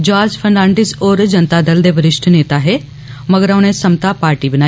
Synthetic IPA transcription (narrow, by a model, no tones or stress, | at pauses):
d͡ʒaːd͡ʒpʰənlãːɳɖɪsoːɾd͡ʒənt̪aːd̪əld̪eːbəɾɪʃʈʰneːt̪aɦeː | məɡəɾaʊnẽːsəmt̪aːpaːɾʈiːbənaː